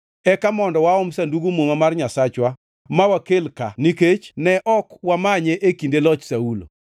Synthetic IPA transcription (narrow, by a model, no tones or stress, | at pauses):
ɛkamɔndɔwaɔmsanduɡumomamarɲasat͡ʃwa | mawakelka̰niket͡ʃnɛʔɔkwamaɲeʔekindelɔt͡ʃsaulo̰